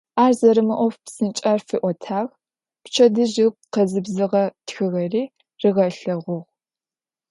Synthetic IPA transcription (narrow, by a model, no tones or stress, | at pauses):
ʔaːrzɐɾɨmɐʔʷɔfpsɨnt͡ʃʼɐrfiʔʷɔtʰaːʁ | pt͡ʃʰɐdɨʑɪɡ̚ʷqɐzɨbzɨʁɐtxɨɣɐriː | rɨʁɐɬɐʁʷʊʁ